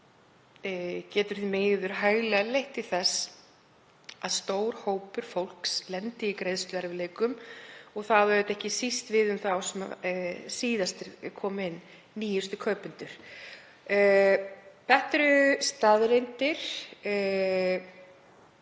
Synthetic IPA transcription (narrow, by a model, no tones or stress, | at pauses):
cɛːt̪ʏɾ̥θimeːjðʏɾ̥ɦaːjɣlɛalejht̪ɪ̥θɛs | aðst̪oːwɾ̥hoːwpʏɾ̥fowl̥kslɛnt̪ɪikɾejðst̪ʏɛɾvɪleːjkʏmɔɣθaðvœɾʏt̪ɛhcɪsist̪vɪðʏmθawsɛma̰siːðast̪ɪɾkʰɔːmɪnː | iːjʏst̪ʏkʰœːpʏnt̪ʏɾ̥ | pɛht̪ɾʏst̪aðɾejnt̪ɪɾ̥